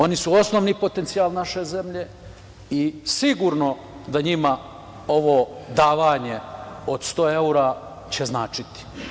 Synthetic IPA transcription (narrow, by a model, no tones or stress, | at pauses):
o̞nisuo̞sno̞ʋnipo̞t̪ent̪sijaːlnaʃe̞ze̞mʎe̞ | isiɡuɾno̞ | d̪aɲima | o̞ʋo̞d̪aːʋaːɲe̞o̞d̪st̪oːeuɾa | t͡ɕeznaːt͡ʃit̪i̥